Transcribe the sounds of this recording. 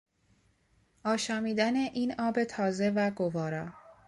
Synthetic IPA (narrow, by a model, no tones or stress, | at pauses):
ʔɒːʃɒːmiːd̪æne̞ʔiːnɒːbe̞t̪ʰɒːze̞væɡovɒːɾɒː